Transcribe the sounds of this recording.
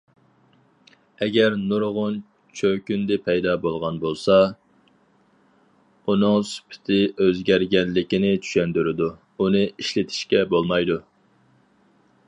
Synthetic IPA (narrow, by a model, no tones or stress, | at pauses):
ɛɡʲɛɾnuɾʁʊn | t͡ʃʰøkʲynd̪ɪpʰɛjd̪ɑbolˠʁɑnbolˠsɑ | unɨŋsy̥pʰɪ̥t̪ʰɪøzɡʲæɾɡʲɛllːɪkʲɪnɪt͡ʃ̪ʰy̥ʃɛnd̪yɾɪd̪u | unɨʔiʃlɪt̪ʰɪ̥ʃkʲɛbolˠmɑjd̪u